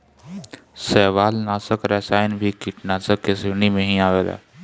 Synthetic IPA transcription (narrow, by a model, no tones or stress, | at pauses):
sɛːʋaːlnaːsəkɾɛːsaːɪnbʱikiʈnaːsəkːesenimẽɦĩaːʋela̰ː